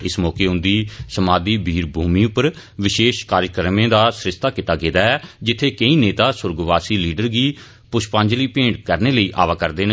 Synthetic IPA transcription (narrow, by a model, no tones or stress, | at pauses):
ɪsmɔːkeːɦʊ̃nd̪iːsəmaːd̪iːbʱiːɾbʱuːmĩːʊpːəɾ | ʋɪʃeːʃkaːɾjkəɾmẽːd̪aːsɾɪʃt̪aːkɪt̪aːɡeːd̪aːɛːd͡ʒɪt̪ʰːeːkəĩːneːt̪aːsʊɾɡʋaːsiːliːɖəɾɡiː | pʊʃpãːɲd͡ʒliːpẽːɳɖkəɾneːləiːʔa̰ːʋaːkəɾd̪eːne